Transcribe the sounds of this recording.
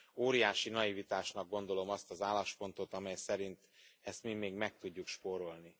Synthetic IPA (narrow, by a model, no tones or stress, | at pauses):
oːɾijaːʃinɒivit̪aːʃnɒɡ̚ːo̞n̪d̪o̞lo̞mɒst̪ɒzaːlaʃpo̞nt̪o̞t̪ɒmɛjsɛɾint̪ɛst̪mimeːɡmɛk̚t̪uɟːukʃpo̞ɾo̞lni